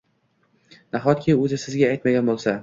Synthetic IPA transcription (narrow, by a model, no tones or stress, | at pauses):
naχɒt̪̚kʲʰɪɵzɪsɪzɡʲaajt̪maɡʲanbolˠsa